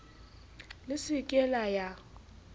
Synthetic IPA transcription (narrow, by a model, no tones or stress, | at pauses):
lɪsɪkʼɛlaja